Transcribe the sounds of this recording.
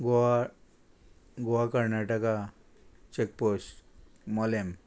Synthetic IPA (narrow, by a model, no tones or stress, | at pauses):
ɡoa | ɡowakəɾnaʈəka | t͡ɕek̚posʈ | mɔlem